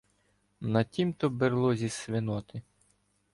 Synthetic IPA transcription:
nɐtʲimt̪ɔberlˠɔzʲisʋɪnɔt̪ɪ

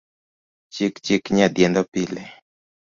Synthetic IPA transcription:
t͡ʃikt͡ʃikɲad̪jɛnd̪ɔpile

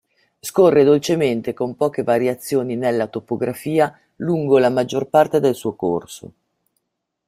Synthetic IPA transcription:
skorːed̪olt͡ʃement̪ekompɔːk̟evaɾjat̪sːjoːninelːat̪opoɡɾafiːa | luŋɡolamad͡ʒːorpart̪ed̪elsuːokorso̰

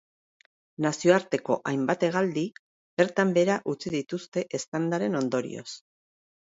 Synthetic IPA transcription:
nasio̞aɾt̪e̞ko̞̰ʔajmbat̪e̞ɣ̞ald̪i | b̥e̞ɾt̪ambe̞ɾaʔut͡sið̞it̪ust̪e̞ʔest̪and̪aɾe̞no̞nd̪o̞ɾḭo̞̰s

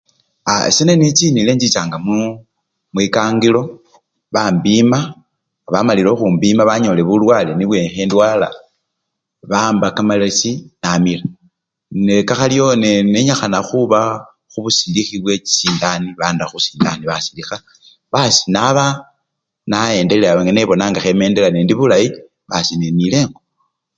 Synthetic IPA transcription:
a̰senenit͡sinileɲd͡ʒit͡ʃaːŋɡamu | mwikaːŋɡilo̞ | βambima | βamalilo̞xumbimaβaɲo̞le̞βulwaleniβwexendwaːla̰ | βaːmbakamalasinamila | nekaxalijo̞neneɲaxanaxuβa | xuβusidixiβwe̞t͡ʃi̥siːndaniβaːndaxusi̥ːndaniβasi̥dixa | βasi̥naβa | nae̞ːnde̞leaeŋene̞βo̞naːŋɡaxeme̞ːnde̞lanendiβulaji | βasinenile̞ːŋɡo

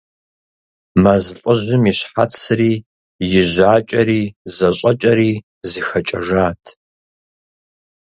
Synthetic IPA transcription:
mazɬʼəʑʷʊmiɕħat͡sʰɨriː | jɪʑaːt͡ʃʼɐɾiːzɐɕʼɐt͡ʃʼɐɾiː | zixɐt͡ʃʼɐʒaːtʰ

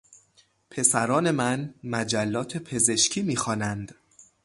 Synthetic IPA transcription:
pʰe̞sæɾɒːne̞mænmæd͡ʒælːɒːt̪ʰe̞pʰe̞ze̞ʃcʰiːmiːxɒːnænd̪̥

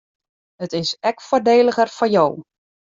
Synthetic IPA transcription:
hətɪsɛkfordeːləɣərfɔjow

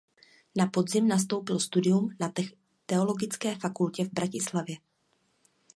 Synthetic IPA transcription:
napo̞dzɪmnas̬t̪o̞wpɪlst̪udɪjumnaɛ | t̪ɛo̞lo̞ɡɪt͡skɛːfakulcɛvbɾacɪslavjɛ

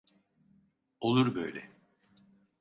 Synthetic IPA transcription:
olˠuɾbø̰jlʲɛ

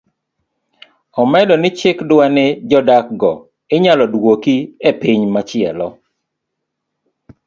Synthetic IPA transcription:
ɔmɛdɔnɪt͡ʃɪkdwanɪd͡ʒɔdak̚ɡɔ | ɪɲalɔdwokiepiɲmat͡ʃɪɛ̰lɔ

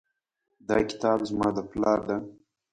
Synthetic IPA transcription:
d̪ɑkɪ̥t̪ɑːbzmɑːd̪əplɑːɾd̪a

